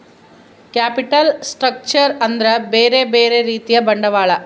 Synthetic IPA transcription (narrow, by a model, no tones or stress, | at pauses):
kjaːpiʈɐlsʈɾɐk̚t͡ʃɐɾɐnd̪ɐɾɐbeːɾebeːɾeɾiːt̪ijɐbɐɳɖɐʋaːɭɐ